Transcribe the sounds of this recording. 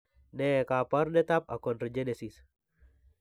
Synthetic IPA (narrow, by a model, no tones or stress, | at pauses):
nɛkaparnɛt̪apakɔnrd͡ʒenesis